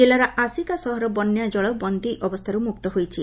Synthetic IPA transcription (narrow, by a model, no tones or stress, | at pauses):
elaɾaʔasikasɔɦɔɾɔbɔnːjad͡ʒɔɭɔbɔnd̪iʔɔbɔst̪ʰaɾumuk̚t̪ɔɦojt͡ʃʰi